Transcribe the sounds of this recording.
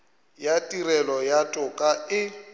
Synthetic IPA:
jatʼirɛlɔjatʼʊkʼaɪ

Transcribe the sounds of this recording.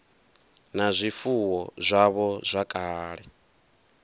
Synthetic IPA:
nazʷifuwɔzʷaβɔzʷakʼaːɺɛ

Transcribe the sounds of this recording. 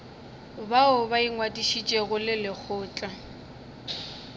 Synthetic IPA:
baʊbaiŋwadiʃit͡ʃʼeɣʊlɪlɪk͡xʰʊːt͡ɬʼa

